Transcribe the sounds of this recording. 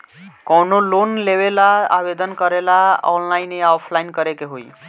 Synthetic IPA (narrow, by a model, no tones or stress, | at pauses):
kɔwnolonleβelaa̰bed̪ənkəɾelaɔ̰nlaineawpʰlainkəɾekeɦoj